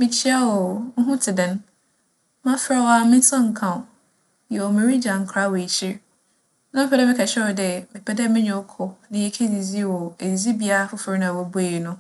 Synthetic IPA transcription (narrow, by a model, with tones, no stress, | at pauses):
mɪ̃˨t͡ɕʰi˦a˦wɔ˨ŋ̩˦ɦũ˦tʰɪ˨dɪ̃˨n | mã˦fɪ˦ɾɛ˦wa˦mɪ̃˦sã˦ŋ̩˨kʰã˨ | jɛ˨ɔ˨mẽ˨ɾi˦d͡ʑã˨ŋ̩˨kʰɾa˦wɔ˨e˨t͡ɕʰi˦ɾ | nã˦m˦pʰɛ˨dɛ˦mɪ̃˦kʰa˨ɕᶣɛ˦ɔ˨dɛ˨mɪ̃˨pʰɛ˦dɛ˦mɪ̃˦ɲɛ̃˨ɔ˦kʰʊ˨nɪ̃˨jɛ˨kʰe˦di˨zi˦wɔ˨e˨i˨zi˦bi˨a˦ɾa˦fʊ˦fɪ˦ɾnã˨wɔ˨bu˦e˨i˨nʊ̃˦